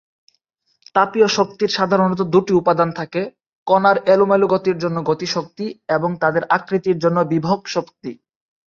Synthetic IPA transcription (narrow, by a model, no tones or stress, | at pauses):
t̪apioʃokt̪iɾʃad̪ʱaɾonɔt̪̬od̪uʈiupad̪ant̪ʰake | kɔnaɾɛlumeluɡot̪iɾd͡ʑonːoɡot̪iʃok̚t̪ieboŋt̪ad̪eɾʔakɾit̪iɾd͡ʑonːobibʱoɡʃokt̪i